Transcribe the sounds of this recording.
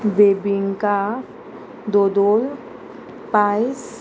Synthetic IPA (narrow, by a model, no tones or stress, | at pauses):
beːbɪŋka | d̪oːd̪oːl | pais